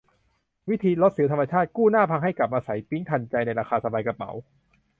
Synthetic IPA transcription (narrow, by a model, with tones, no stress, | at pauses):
wi˦˥t̪ʰiː˧lo˦˥t̪̚sɯː˩˦wt̪ʰa˧ma˧t͡ɕʰaː˥˩t̪̚kuː˥˩naː˥˩pʰa˧ŋɦa˥˩jka˨˩p̚ʔaː˧sa˩˦jpi˦˥ŋt̪ʰa˧nt͡ɕa˧jna˧jɾaː˧xʰaː˧sa˧baː˧jka˧˩pa̰˩˦w